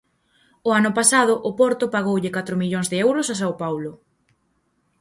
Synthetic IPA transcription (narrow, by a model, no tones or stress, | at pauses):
ʊanʊpasaðʊʔʊpɔɾt̪ʊpaɣowʎɪkat̪ɾʊmiʎoŋzðɪɛwɾʊsasawpawlʊ